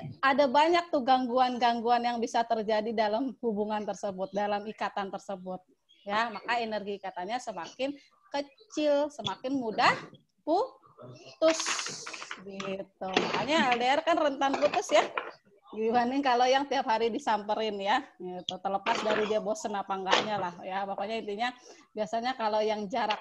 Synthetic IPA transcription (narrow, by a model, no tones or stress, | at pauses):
adabaɲak̚t̪uɡaŋɡuanɡaŋɡuanjaŋbisat̪ərd͡ʒadidalamhubuŋant̪ərsəbʊt̪̚dalamikat̪ant̪ərsəbʊt̪̚ | jamakaenərɡiːkat̪anɲasəmakɪn | kət͡ʃɪlsəmakɪnmudah | pu | t̪ʊs | ɡit̪umakaɲaldaarkanrənt̪anput̪ʊsja | ɡibanɪŋkalojaŋt̪iap̚haɾidisampəɾɪnjaɡit̪ut̪ələpasdaɾidabosənapaŋɡaʔɲalahjabapaɲaint̪iɲa | biasaɲakalojaŋd͡ʒaɾak̚